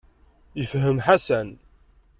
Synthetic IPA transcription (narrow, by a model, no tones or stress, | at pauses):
jəfɦəmħasæn